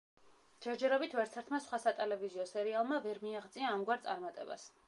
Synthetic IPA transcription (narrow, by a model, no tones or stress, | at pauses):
d͡ʒɛɾd͡ʒɛɾɔbit̪ʰvɛɾt̪sʰɛɾt̪ʰmasχwasat̪ʼɛlɛviziɔsɛɾialˠmavɛɾmiaʁt̪sʼiaːmɡwaɾt̪sʼaɾmat̪ʼɛ̰ba̰s